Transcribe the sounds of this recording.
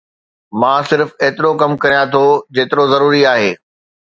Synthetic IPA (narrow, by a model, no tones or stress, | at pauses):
mãːsɪɾfeːt̪ɪɾokɐmkɐɾijãt̪ʰod͡ʑeːt̪ɪɾozɐɾuːɾiaːɦeː